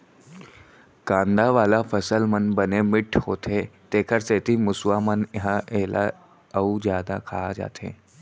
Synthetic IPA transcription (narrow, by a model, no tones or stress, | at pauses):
kãːnd̪aʋaːlafəsəlmənbənemɪʈʰhoːt̪ʰet̪eːkʰəɾseːt̪ʰimʊsʋamənɦãʔeɦla̰ | əud͡ʒjaːd̪akʰaːad͡ʒa̰ːt̪ʰḛː